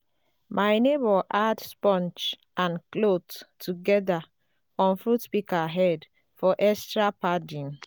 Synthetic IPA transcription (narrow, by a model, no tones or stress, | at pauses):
mʔajnebɔʔadspɔ̃nt͡ʃ | ãnklottʰːuɡɛda | ɔ̃nfɹutpikaɦɛd | fɔʔɛstɹapadĩn